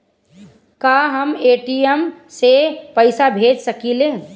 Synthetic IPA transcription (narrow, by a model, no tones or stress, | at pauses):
kaɦəmeːʈiəmsepəɪsabʱeːd͡ʒsəkileː